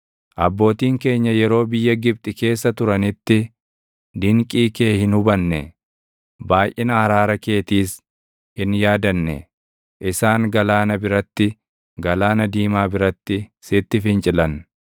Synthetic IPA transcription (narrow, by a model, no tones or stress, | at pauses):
ʔɐbːo̞ːt̪iːŋke̞ːɲːɐjɛɾo̞ːbɪjːɐɡɪb̚t̪ʼɪke̞ːsːɐt̪ʊɾɐnɪt̪ːɪ | d̪ɪŋkʼiːke̞ːhɪnhʊbɐnːɛ̰ | baːjʔɛnɐhɐɾaːɾɐke̞ːt̪iːs | hɪnjaːd̪ɐnːɛ̰ | ʔɪsaːŋɡɐlaːnɐbɪɾɐt̪ːɪ | ɡɐlaːnɐd̪iːmaːbɪɾɐt̪ːɪsɪt̪ːɪfɪnt͡ʃʼɪlɐn